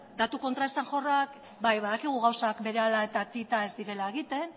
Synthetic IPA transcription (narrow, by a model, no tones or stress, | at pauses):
d̪at̪uko̞nt̪ɾaesaŋʝo̞rak | bajβaðakiɣ̞uɣ̞awsakbe̞ɾe̞alae̞t̪at̪it̪ae̞zd̪iɾe̞lae̞ɣ̞it̪e̞n